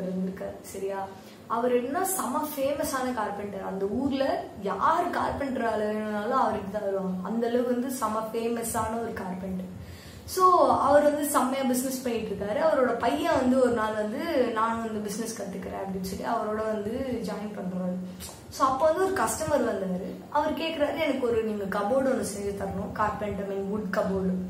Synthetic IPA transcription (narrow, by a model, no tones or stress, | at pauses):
ɾɯɐnɯkːaːɾsɐɾɪjaː | ɐʋɐɾɛnːɐnːaːsɐmɐfeːmɐsaːnɐkaːɾpɛɳʈɐɐ̰nd̪ɐuːɾlɐjaːɾɯka̰ːɾpɛɳʈɾaːlɐeɳːɐnaːlɐ̃ɐʋɐɾɯkːɯt̪ãːɐɪɾʋ̃ɐ̰nd̪ɐlɐɣɯʋɐnd̪ɯsɐmɐfeːmɐsaːnɐɔɾɯkaːɾpɛɳʈ | soːɐʋɐɾʋɐnd̪ɯsɐmːɐjaːbɪs̬nɛspɐjːɪʈːɾɯkːaːɾɯɐʋɐɾoːɽɐpɐjːaːʋɐnd̪ɯɔɾɯnaːlʋɐnd̪ɯnaːnʋɐnd̪ɯbɪsnɛskɐʈ̪ːɯkːɪɾḛ̃ːɐpɐɽɪnsɔlːḭɐʋɐɾoːɽɐʋɐnd̪ɯd͡ʒaːjɪnpɐɳːɾaːɾɯ | soːɐpːoːʋɐnd̪ɯɔɾɯkɐsʈɐmɐɾʋɐnd̪aːɾɯ | ɐʋɐɾɯkeːʈkɪɾaːɾɯɛnɐkːɯɔɾɯniːŋɡɐkɐboːɽɔnːɯsɛɲd͡ʒɯt̪ɐɾɐɳʊ̃kaːɾpɛɳʈɐmɪnʋʊɖkɐboːɽ